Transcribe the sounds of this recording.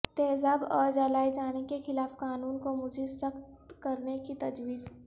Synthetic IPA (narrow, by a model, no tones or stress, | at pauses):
t̪ɛːzaːbɔːɾd͡ʒalaːid͡ʒaːnekexɪlaːfkaːnuːnkomʊd͡ʒʱesɐxt̪kɐɾnekit̪ɐd͡ʒwiːz